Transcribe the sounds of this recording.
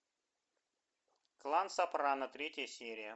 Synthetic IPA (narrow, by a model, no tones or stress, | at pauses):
klˠansapɾanət̪ɾʲetʲɪjəsʲeɾʲɪjə